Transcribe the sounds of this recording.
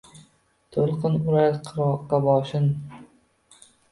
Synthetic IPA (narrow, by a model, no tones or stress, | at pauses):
t̪ʰolˠqʰɨnʊɾaɾqʰɨɾɒqːɑbɒːʃɪn